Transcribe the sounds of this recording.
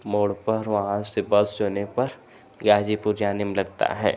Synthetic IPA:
moːɽpɐɾʋɐɦãsebɐlsd͡ʒoːnepɐɾ | ɡaːd͡ʒipʊɾjaːnɪmlɐɡ̚t̪a̰ɦɛ̰ː

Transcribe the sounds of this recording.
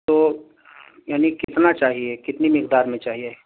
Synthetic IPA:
t̪oː | jaːnikɪt̪nat͡ʃaːɦiekɪt̪nimɪkd̪aːɾmẽt͡ʃaːɦie

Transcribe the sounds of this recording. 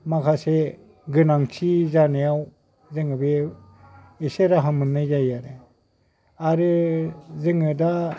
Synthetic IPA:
makʰase | ɡɯnaŋt͡ʃʰizanejaw | zɯŋɯbe | eseɾaɦamɯnːɯjzajaɾe | aɾɯzɯŋɯda

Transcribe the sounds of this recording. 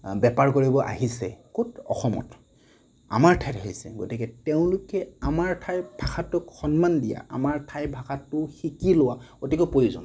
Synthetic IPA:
bɛpaɹkoɹibɔʔa̰ɦisɛ̰kotɔ̰xɔmɔ̰t | a̰maɹtʰajtaɦisɛ̰ɡo̰tikɛteʊ̃lʊkɛamaɹtʰajbʱaxatʊkxɔnmandija̰a̰maɹtʰajbʱaxatːʊxikilʊwakotikɔpojuzɔ̰n

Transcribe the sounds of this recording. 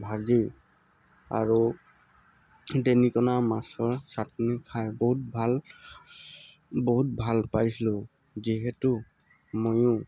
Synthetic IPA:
bʱazi | a̰ɹu | denikɔnamasɔɹsatnikʰajboɦut̚bʱal | boɦut̚bʱalpajsilʊ | ziɦɛtu | mojʊ̃

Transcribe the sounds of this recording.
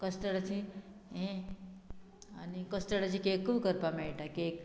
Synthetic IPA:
kəst̪əɽat͡ɕiẽ | a̰nikəst̪əɽat͡ɕikekːuwkəɾpameʈakek

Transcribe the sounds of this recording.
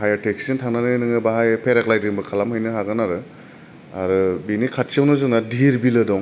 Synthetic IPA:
hajatʰeksintʰananɯjnɯŋɯbaɦajpʰeɾaklajdɯŋbɯkʰalamhɯjnɯɦaɡɯnaɾɯ | aɾɯbinikʰat̚siawnɯzunadiɾbilɯdɔŋ

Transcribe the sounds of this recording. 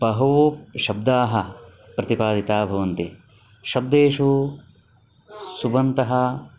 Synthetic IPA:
bɐɦɐʋoʃɐbd̪aːɦɐ | pɾɐt̪ipaːd̪ʱit̪aːbʱɐʋɐnt̪i | ʃɐb̚d̪eːʂu | subɐnt̪ɐɦɐ

